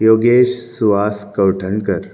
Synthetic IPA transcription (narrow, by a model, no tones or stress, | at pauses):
joːɡeːʃsuʋaːskɐwʈʰəɳkəɾ